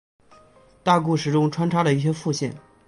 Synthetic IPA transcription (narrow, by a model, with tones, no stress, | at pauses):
t̪a˥˧k̬u˥˩ʂɻ̩˨˩ʈ͡ʂʊ˥ŋʈ͡ʂʰwa˥nʈ͡ʂʰwa˥lə˨i˥˩ɕ̬jɛ˥fu˥˧ɕjɛ˥˩n